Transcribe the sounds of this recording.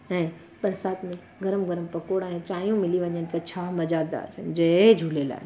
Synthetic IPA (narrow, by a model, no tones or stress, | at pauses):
ɛ̃ː | bɐɾsaːt̪mɪ | ɡɐɾəmɡɐɾəmpɐkoːɽɛ̃t͡ɕaːijũmɪliʋɐɲənɪ̆t̪ʰɐt͡ɕʰaːmɐd͡ʑaːd̪a̰ːd͡ʑənd͡ʑɐed͡ʑʱulela̰ːɦe